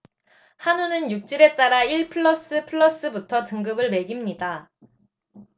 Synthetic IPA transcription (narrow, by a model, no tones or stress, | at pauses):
hanunɯnjuk̚t͡ɕ͈iɾe̞t͈aɾaiɭpʰɯɭːʌs͈ɯpʰɯɭːʌs͈ɯbutʰʌtɯŋɡɯbɯɭme̞ɡimɲida